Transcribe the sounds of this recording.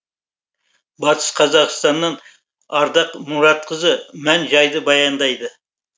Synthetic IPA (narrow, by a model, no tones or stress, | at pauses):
bɑt̪ʰɨ̥ʃqʰɑzɑʁst̪ɑnːɑn | ɑɾd̪ɑqnuɾɑt̪̚qʰəzɨmænʒɑjd̪ɨbɑjɑnd̪ɑjd̪ɨ